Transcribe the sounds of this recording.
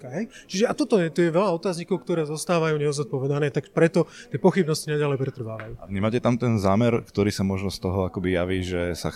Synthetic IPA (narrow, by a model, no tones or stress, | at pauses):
kaɦɛjt͡ʃiʒɛat̪ɔt̪ɔjɛt̪ɔjɛʋɛlaɔt̪aːzɲikɔʊkt̪ɔɾɛːzɔst̪aːʋajuːɲɛɔznat̪̚pɔʋɛd̪anɛːt̪akpɾɛt̪ɔt̪ɪɛpɔxibnɔscinaɟalɛjpɾɛt̪r̩ʋaːʋajuːaɲimaːcɛt̪amt̪ɛnzaːmɛɾkt̪ɔɾiːsamɔʒnɔst̪ɔɦɔakɔbijaʋiːʒɛsa̰